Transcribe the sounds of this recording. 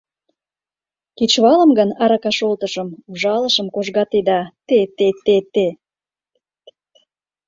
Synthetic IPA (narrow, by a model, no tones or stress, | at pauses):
kit͡ɕβɑlə̆mɡənɑɾɑkɑʃolt̪ə̆ʃə̆mvʒɑlə̆ʃə̆mkoʒɣɑt̪ed̪ɑt̪et̪et̪et̪e